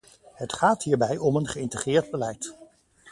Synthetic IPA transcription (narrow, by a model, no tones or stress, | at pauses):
ɦətχaːtɦiːɹbɛjɔmənχəɪntəχrɪːɹd̚bəlɛjt